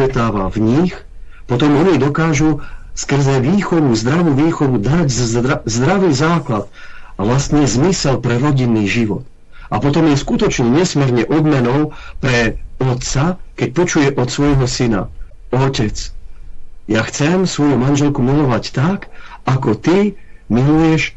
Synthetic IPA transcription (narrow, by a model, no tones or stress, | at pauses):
ɛt̪aːʋa̰vɲix | pɔt̪ɔmɔɲid̪ɔkaːʒuskr̩zɛʋiːxɔʋuzd̪ɾaʋuʋiːxɔʋud̪aɟzzd̪ɾaʋiːzaːklat̪ | aʋlast̪ɲɛzmisɛlpɾɛɾɔɟinːiːʒiʋɔ̰t̪ | ʔapɔt̪ɔmjɛskut̪ɔt͡ʃɲɛɲɛsmɛɾɲɛʔɔd̪mɛnɔʊpɾɛɔt̪t͡sakɛc̚pɔt͡ʃujɛʔɔt̪sʋɔjɦɔsina̰ | ɔcɛt͡s | jaxt͡sɛmsʋɔjumanʒɛlkumilɔʋact̪akakɔt̪imilujɛʃ